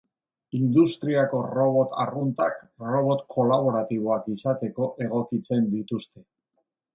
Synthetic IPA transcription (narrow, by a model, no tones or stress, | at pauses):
ind̪ust̪ɾiako̞ro̞β̞o̞t̪a̰runt̪akro̞βo̞t̪kʰo̞laβ̞o̞ɾat̪iβ̞o̞akisat̪e̞ko̞ʔe̞ɣ̞o̞kit͡se̞nd̪it̪ust̪e̞